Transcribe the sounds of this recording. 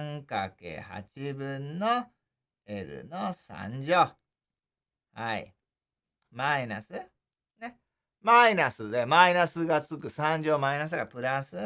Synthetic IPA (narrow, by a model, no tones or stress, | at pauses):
ŋkakḛha̰t͡ɕibɯ̟̃nnːo | eɾɯ̟̰nosã̰ɲ̟d͡ʑoː | haḭ | mainasɨ | ne | mainasɨd̪e̞mainasɨɡat͡sɨkɯ̟sãɲ̟d͡ʑoːmainas̬ɨɡapɯ̟ɾasɨ